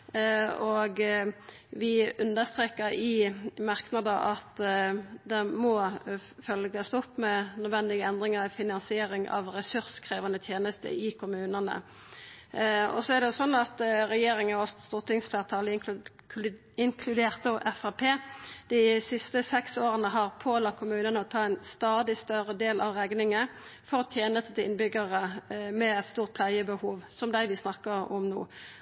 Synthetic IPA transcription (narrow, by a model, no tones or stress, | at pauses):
ɔɡ | ʋɪʉnd̪əst̪ʁeːkəɾɪmɑʁknɑd̪əʔɑt̪ | d̪ɛmɔfœlɡəst̪ɔpːmɛnœd̪ʋɛnd̪ɪɡəɛnd̪ʁɪŋəɾfɪnɑnsɪeːɾɪŋʔɑ̰ʋʁɛsʉʁskʰʁeːʋɑnət̪ʰjeːnəst̪ə̰ɪkʰʊmʉːnənə̰ | ɔ̰sɔæʁd̪ɛjʊsɔnːɑt̪ʁɛjeːɾɪŋəɔsst̪uːʁt̪ʰɪŋsfleːʁt̪ʰɑːləɪ | ɪŋkʰlʉd̪eːʁt̪̚d̪oʔɛfɑpʰeːd̪̥ɪsɪst̪əsɛksoːʁənəɦɑʁpʰoːlɑkʰʊmʉːnənəɔt̪ʰɑːæɪnst̪ɑːd̪ɪst̪œɾəd̪eːlʔɑ̰ʋʁɛɡnɪŋə | fɔʁɔt̪ʰjeːnəst̪ət̪ɪlɪ̰nbʏɡəʁəmɛɛt̪st̪uːʁt̪̚pʰlæɪəbəhuːʋsɔmd̪æɪʋɪsnɑkːəʁɔ̰mnṵː